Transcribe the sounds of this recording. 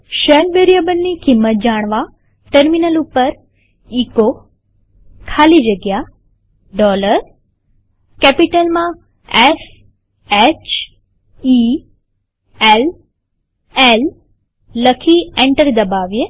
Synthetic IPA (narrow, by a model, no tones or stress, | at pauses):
ʃəlbeɾijabənːikimːət̪̚d͡ʒaɽ̃ʋa | ʈəɾminəlupəɾ | iko | kʰalid͡ʒəɡja | ɖɔləɾ | kɛpiʈəlmã | es | et͡ʃ | i | el | elː | əkʰiẽɳʈəɾd̪əbaʋje